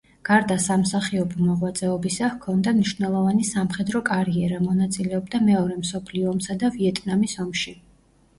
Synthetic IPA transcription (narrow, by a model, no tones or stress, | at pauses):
ɡ̥aɾd̪asamsaχiɔbɔmɔʁwat̪sʼɛɔbisahkʰɔnd̪amniʃvnɛlˠɔvanisamχɛd̪ɾɔkʼaɾiɛɾamɔnat̪sʼilɛɔb̚d̪amɛɔɾɛmsɔpʰliɔːmsad̪aviɛt̪ʼnamisɔmʃi